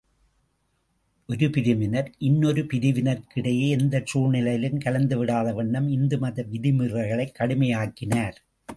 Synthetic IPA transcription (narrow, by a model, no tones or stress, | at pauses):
ʔɔɾɯpɪɾɯmɪnɐɾʔɪnːɔɾɯpɪɾɪʋɪnɐɾkɪɽɐjeːɛnd̪ɐt͡ʃuːɻnɪlɐjlɯmkɐlɐnd̪ɯʋɪɽaːðɐʋɐɳːɐmɪnd̪ɯmɐðɐʋɪðɪmɯrɐɣɐɭɐɪkːɐɽɯmɐjaːkːɪnaːɾ